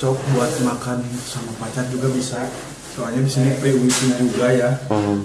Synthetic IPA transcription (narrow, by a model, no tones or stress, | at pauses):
ɔk̚buat̪̚makansamapat͡ʃard͡ʒuɡabisa | soalɲadisinipɾewitud͡ʒuɡaja